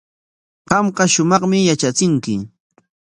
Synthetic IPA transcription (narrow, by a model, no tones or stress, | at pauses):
ɢɑmɢɑʃʊmɑχmɪjat͡ʃat͡sɪŋkɪ